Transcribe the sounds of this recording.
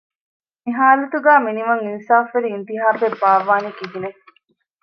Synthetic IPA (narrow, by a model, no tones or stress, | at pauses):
miɦaːlɐt̪uɡæːminimɐŋinsaːfʋeɾiːnt̪iɦaːt̪ebːaːʋaːnikiɦine